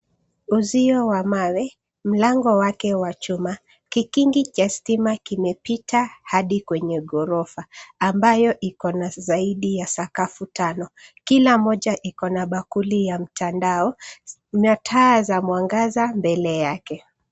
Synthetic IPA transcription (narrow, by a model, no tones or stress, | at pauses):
uziɔwamawɛ | m̩laŋɡɔwakɛwat͡ʃuma | kikiŋɡit͡ʃastimakimɛpitʰahaɗikwɛɲɛɠɔɾɔfaːmbajɔʔikɔnazaiɗijasakafutanɔkilamɔʄaʔikɔnaɓakulijam̩tʰandaɔ | ɲatʰaːzamwaŋɡazambɛlɛjakɛ